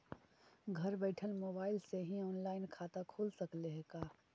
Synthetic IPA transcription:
ɡʱɐɾbɛːʈʰəlmoːbaːɪlseɦiɔːnlaːɪnkʰaːt̪akʰuːlsɐkleɦɡaː

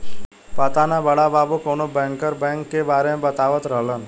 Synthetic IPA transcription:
pət̪anabəɽabaːbukonobɛ̃ŋkəɾbɛ̃ŋkːebaːɾemẽbət̪aːʋət̪ɾəɦlən

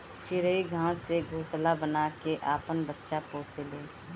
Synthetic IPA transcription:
t͡ʃɪɾəiɡʱãːseɡʱoːslabənaːkeʔaːpənbətːʃapoːseleː

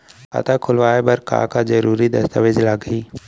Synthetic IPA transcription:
ɐ̰t̪akʰʊlʋaːebɐɾka̰ːkazəɾuːɾid̪ɐst̪əʋɪd͡ʒlaɡʱɦiː

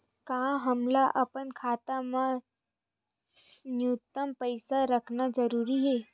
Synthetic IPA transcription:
kãɦəmlaʔɐpənkʰaːt̪amã | njut̪əmpəɪsaɾəkʰnad͡ʒəɾuːɾiɦeː

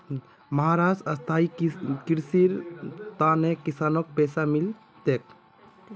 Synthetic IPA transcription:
məɦaɾasəst̪ʰaikiɾsiɾt̪anekisaːnok̚pɛːsamil | t̪ek

